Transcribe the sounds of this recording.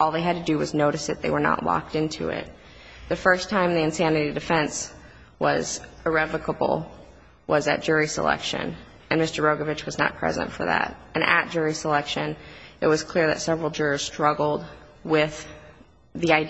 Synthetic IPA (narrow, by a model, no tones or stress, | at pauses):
ɔlˠðeɪɨd̚tʰɨdɨwʌznoʊɾɨsðɨt̪̚ðeɪwə˞nə̰ʔlɑ̰k̚tɪ̃ntʰʉ̰ɪ̰t̪̚ | ðɨfɜ˞stʰãɪ̃mðiɨ̃nsænɨɾidɨfɛ̃ns | wʌz̥ə˞ɛvəkəbl̩ˠ | wʔʌzɨ̰t̚d̥ʒ̥ʊɹisə̰lɛ̰kʃɨ̰̃n | ɨ̃nmɪstə˞ɹoʊɡəvɨt͡ʃwʌznə̰t̚pʰɹ̥ɛ̰zɨ̰̃ntfə̰˞ðæ̰ɾɨ̃nʔɨ̰t̚d̥ʒ̥ʊɹisəlɛkʃɨ̃nɨt̚wʌz̥kʰl̥ɪɹðɨ̰tsɛvɹl̩ˠd͡ʒʊɹə˞z̥stɹ̥ʌɡl̩ˠd̚ | wɪð̥ | ðiaɪ